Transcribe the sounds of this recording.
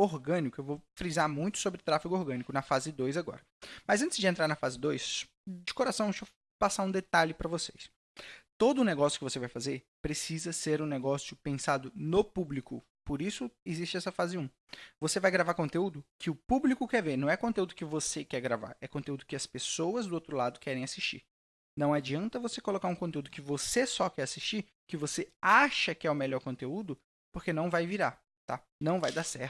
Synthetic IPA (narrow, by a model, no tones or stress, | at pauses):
oɾɡɐ̃nikʊewvofɾizaɾmũj̃t̪ʊ̥sobɾɪt̪ɾafiɡʊoɾɡɐ̃nikʊnɐfazɪd̪ojzaɡɔ̰ɾɐ | mɐzɐ̃nt̪ɪzd͡ʒɪẽnt̪ɾaɾnɐfazɪd̪ojs | d͡ʒɪkoɾasɐ̃w̃eʃo | pasaũd̪et̪aʎɪpɾɐvosejs | t̪od̪ʊːneɡɔsjʊkɪvosevajfazeɾ | pɾesizɐseɾũneɡɔsjʊpẽsad̪ʊnopublikʊ̰ | poɾisʊezist͡ʃɪɛsɐfazɪũ | vosevajɡɾavaɾkõnt̪eud̪ʊkʰɪʊpublikʊkɛɾveɾnɐ̃w̃ɛkõnt̪eud̪ʊkɪvosekɛɾɡɾava̰ɾɛkõt̪eud̪ʊkɪɐspesowɐzd̪ʊowt̪ɾʊlad̪ʊkɛɾẽj̃asist͡ʃḭɾ | nɐ̃w̃ad͡ʒiɐ̃nt̪ɐvosekolokaɾũkõt̪eud̪ʊkɪvosesɔkɛɾasiʃt͡ʃiɾ | kɪvoseaʃɐkɪɛʊmeʎɔɾkõnt̪eud̪ʊ | poɾkenɐ̃w̃vajviɾa | t̪a̰ | nɐ̃w̃vajd̪asɛɾt̪